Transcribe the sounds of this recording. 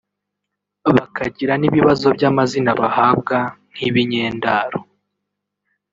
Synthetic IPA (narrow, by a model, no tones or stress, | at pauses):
βakʰaɟiɾaniβiβazo̞bɟaːmazinaβahaːb̚ɡan̥hiβiɲeːndaɾo